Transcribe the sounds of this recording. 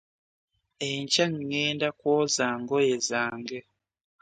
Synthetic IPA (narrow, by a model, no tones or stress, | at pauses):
eɲcaŋŋeːndakwoːzaːŋɡojezaːŋɡe